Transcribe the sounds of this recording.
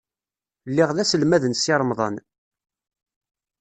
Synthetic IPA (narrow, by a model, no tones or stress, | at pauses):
lːiʁðæsəlmæðənsiɾˤmðˤɑ̰n